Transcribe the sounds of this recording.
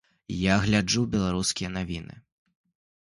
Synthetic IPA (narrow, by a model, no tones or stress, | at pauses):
jaɣlʲad͡ʐubʲɛlˠaɾuskʲijɐnavʲinɨ̰